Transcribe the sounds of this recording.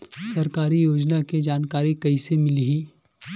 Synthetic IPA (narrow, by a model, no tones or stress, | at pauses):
sɐɾkaːɾijoːd͡ʒnaked͡ʒaːnkaːɾikɐisemɪliɦiː